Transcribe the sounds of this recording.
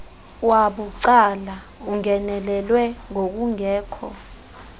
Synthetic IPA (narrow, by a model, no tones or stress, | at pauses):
waɓuǀala | uŋɛnɛlɛlwɛŋok̬uŋɛːkʰɔ̰